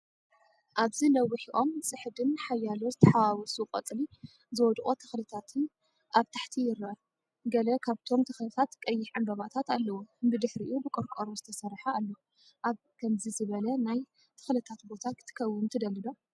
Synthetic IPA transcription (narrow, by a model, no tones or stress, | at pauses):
ʔaβzilɐwːɨħiʔo̞msʼɨħd̪ɨnħajːalot̪t̪ʰɐħawawɔsuqʼɐ̰t͡sʼli | zɨwɔd̪χʼot̪ʰɐ̥xlɨt̪ʰat̪ʰɨn | ʔaβt̪ʰaħt̪ʰijɪɾɐ | ɡɐlɐkʰaβt̪ʰo̞mt̪ʰɐxlɨt̪ʰat̪kʼɐjːɪħʕambɐβat̪ʰat̪alːɐwubɨd̪ɨħɾiʔʔubɨkʼɨɾkʼoɾozɨt̪ʰɐsɐrħaalːo | ʔaβ | kʰɐmzizɨβɐlɐnaj | t̪ʰɨ̥xlɨt̪ʰat̪bo̞t̪ʰakʰɨ̥t̪ʰɨ̥kʰɐwːɨmt̪ʰɨd̪ɐlːɨd̪o̞